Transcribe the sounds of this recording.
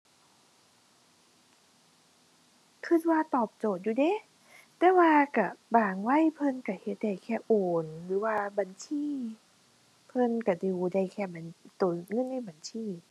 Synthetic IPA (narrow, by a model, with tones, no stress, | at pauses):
kʰɯ˧˩t̪̚waː˧t̪ɔː˨˩p̚t͡ɕoː˨˩t̪̚juː˧de˧˥˨ | t̪ɛː˧˦waː˧ka˧˩baː˨˩ŋwa˧˥˨jpʰɤ˧˨nka˧˩he˧˦t̪̚da˧˩jkʰɛː˧˩ʔoː˨˩nlɯː˨˦waː˧ba˨nsʰiː˧˥˨ | pʰɤ˧˥˨nka˧˩duː˧˨˧da˧˩jkʰɛː˧˩ba˨nt̪o˨˩˦ŋɤ˧˥˨nːa˧˩˨jba˨˩˨nsʰiː˧˩˨